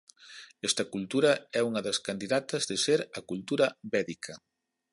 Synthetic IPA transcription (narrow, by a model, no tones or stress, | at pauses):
ɛst̪ɐkult̪uɾɐɛuŋɐðɐskand̪iðat̪ɐzðeseɾɐkult̪uɾɐβɛðikʰɐ